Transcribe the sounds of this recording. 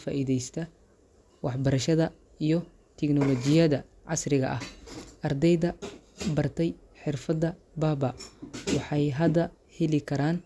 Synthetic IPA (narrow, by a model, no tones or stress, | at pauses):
fa̰ːʔiðɛjst̪ʰɐ | wɑħbɐɾɐʃɐðɐ | ijɞ | t̪ʰɛknɔlɔt͡ʃɪjɐðɐ | ʕɑsrɪɣɐ̰ʔɐhʔɐrd̪ɛjðɐ | bɐrt̪ʰɛj | ħɪrfɐd̪ɐ | baːbɐwɑħɑjɦɐd̪ɐ | hɛlɪkʰɐɾaːn